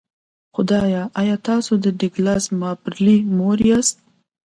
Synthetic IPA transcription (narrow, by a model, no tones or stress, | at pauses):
xʊd̪ɑjɑʔɑjɑt̪ɑsod̪əd̪ɪɡlɑsmɑpɾlimoɾjɑst̪̚